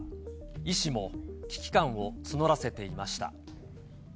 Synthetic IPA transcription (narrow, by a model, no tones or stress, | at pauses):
iɕimo̞kʲi̥kʲi̥kãɰ̃o̞t͡sɨno̞ɾase̞t̪e̞imaɕi̥t̪a̰